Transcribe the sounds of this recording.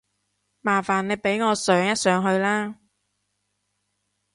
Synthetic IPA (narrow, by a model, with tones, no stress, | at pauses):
maː˨˩faː˨˩nle˨˧jpe˨˥jŋɔː˨˧sœː˨˥ŋjɐ˥t̚sœː˨˥ŋɦɵ˧ɥlaː˥